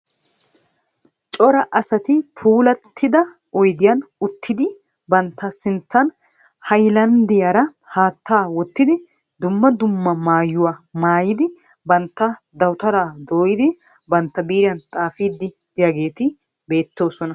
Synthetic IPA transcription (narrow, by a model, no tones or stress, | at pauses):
t͡ʃʼɔɾɐʔɐsɐt̪ɪpʰuːlɐt̪ʰːɪd̪ɐ | ɔjd̪ɪjɐnʊt̪ʰːɪd̪ɪ | bɐnt̪ːɐsɪnt̪ːɐn | hɐjlɐnd̪ɪjɐɾɐ | haːt̪ːaːwɔt̪ːɪd̪ɪ | d̪ʊmːɐd̪ʊmːɐmaːjːʊwaːmaːjɪd̪ɪ | bɐnt̪ːɐd̪ɐwt̪ɐɾaːd̪o̞ːjɪd̪ɪ | bɐnt̪ːɐbiːɾɪjɐnt̪ʼaːfiːd̪ːɪd̪ɪjaɡe̞ːt̪ɪ | be̞ːt̪ːo̞ːsɔnɐ